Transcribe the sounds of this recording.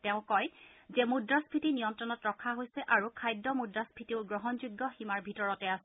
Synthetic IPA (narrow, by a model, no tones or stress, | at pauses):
tɛʊ̃kɔjzɛmudɹaspʰitinijɔntɹɔnɔtɹɔkʰːaɦojsɛʔaɹukʰajdːɔmudɹaspʰitiʊɡɹɔɦɔnzuɡːɔximaɹbʱitɔɹɔtɛasɛ